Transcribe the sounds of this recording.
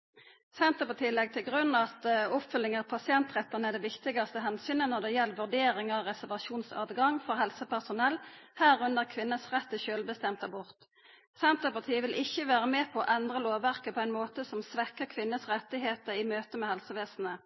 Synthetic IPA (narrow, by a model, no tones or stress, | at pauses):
sɛnt̪əpɑt̪ʰɪiːlːɛɡ̚t̪ʰɪlɡʁʉnːɑt̪ʊpfʏlːɪŋɑʁpʰɑsɪɛnt̪ʁɛt̪ːənəæd̪ɛʋɪkt̪ɪɡɑst̪əɦɛnsyːnənɔʁd̪ɛjɛlːəʋʉʁɖ̪eːɾɪŋəʁɛsæʁʋɑʃuːnsɑ̰ːd̪ɡɑŋfɔʁɦɛlsəpæʁsʊnɛlːhæːʁʉnd̪əʁkʰʋɪnːəsʁɛt̪ːəʃøːlbəst̪ɛmt̪æbʊʁt̪ | sɛnt̪əpɑt̪ʰiːʋɪlʔɪçːəʋæːʁəmɛːpʰɔɔʔɛnd̪ʁəloːʋæʁkəpʰɔæɪnmoːt̪əsɔmsʋɛkəkʰʋɪnːəsʁɛt̪ːɪɦeːt̪əɾɪmøːt̪əmɛhɛlsəʋeːsn̩ə